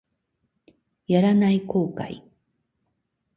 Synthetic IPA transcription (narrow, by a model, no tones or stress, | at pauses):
jaɾanajkoːka̰j